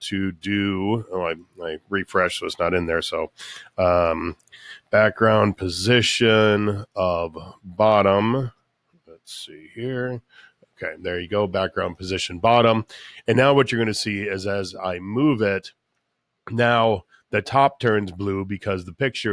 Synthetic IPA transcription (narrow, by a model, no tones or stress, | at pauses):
tʰɨdɨoaɪaɪɹifɹɛʃʌtsnəɾɨ̃nðə˞soʊʌ̃m | b̥æk̚ɡ̥ɹãʊ̃npʰɨzɪʃɨ̃nʌvbɑɾə̃m | lɛtsihiɹ | oʊkʰeɪðə˞jɨɡoʊbæk̚ɡ̥ɹãʊ̃npʰɨzɪʃɨ̃nbɑɾə̃mɨ̃nːaʊwʌt͡ʃə˞ɡʌ̃ñɨsiɪzɨza̰ɪmuvɪt | naʊ | ðɨtʰɑp̚tʰɜ̃˞nzblubɨkʰʌzðəpɪk̚t͡ʃə˞